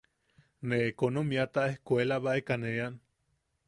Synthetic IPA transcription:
neːkonomiat̪aehkʷelaβaekanean

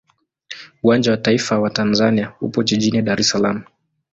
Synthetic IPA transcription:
uwand͡ʒawataifawatanzaniahṵpɔt͡ʃiʄiniɗaɾɛsalamu

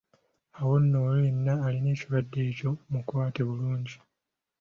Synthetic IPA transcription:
awo̞nːo̞ːlojenːaːline̞ːciβadːe̞ːco̞mukwaːteβuluːɲɟi

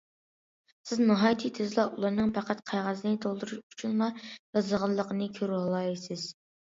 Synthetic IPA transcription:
sɪznɨɦɑːjt̪ʰit̪ʰɪzlˠɑʔulˠɑɾnɨŋpʰæqæt̪̚qʰɑjʁɑznɨt̪ʰolˠd̪uɾuʃut͡ʃʰunlˠɑjɑzəʁɑlˠːəqʰənɨkʲʰøɾhɑlˠɑjsɪz̥

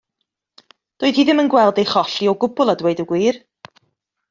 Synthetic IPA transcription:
d̥ʊːð̥hiːðɪmənɡwɛlˠdejχɔɬiɔɡʊbʊlˠadweɨdəɡwiːr

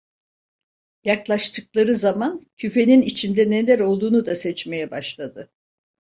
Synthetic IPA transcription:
jaklˠaʃt̪ʰɯklˠaɾɯzamancʰyfe̞ninit͡ʃʰind̪ɛnelʲæɾo̞lˠd̪uːnud̪asɛt͡ʃme̞jɛbaʃlˠad̪ɯ

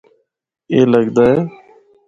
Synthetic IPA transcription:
eːləɡd̪aːeː

